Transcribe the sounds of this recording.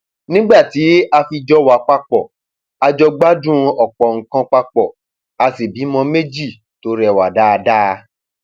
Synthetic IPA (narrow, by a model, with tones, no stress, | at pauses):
nĩ˦ɡ͡ba˦˨ti˨˦a˧fi˧d͡ʒɔ˦wa˨˦k͡pa˧k͡pɔ˨ | a˧d͡ʒɔ˧ɡ͡ba˦dũ˦˧ɔ˨k͡pɔ˨ŋ̩˨kã˧k͡pa˧k͡pɔ˨ | a˧si˨bi˨˦mɔ̃˧me˦d͡ʒi˦˨ | to˨˦ɾɛ˨wa˨da˦˧da˦˧